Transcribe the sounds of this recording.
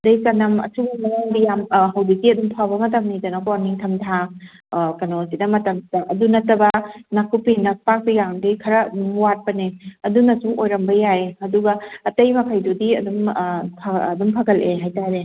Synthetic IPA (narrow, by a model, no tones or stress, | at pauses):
dɐjkɐnɐmɐ̰suɡmajaŋdijamɦɐwditiɐdumpʰawbɐmɐt̬ɐmnidɐnakɔniŋtʰɐmtʰa | kɐnosidɐmɐtɐmdaʔɐdunɐtɐbɐnakʰupinɐs̚pak̚bijaŋdikʰɐɾɐdumwat̚pɐneɐdunɐsuʔojɾɐmbɐjajɐduɡɐːtɐjmɐkʰɐjdudiɐ̰dumpʰadumpʰaɡɐlʔeɦajtaɾe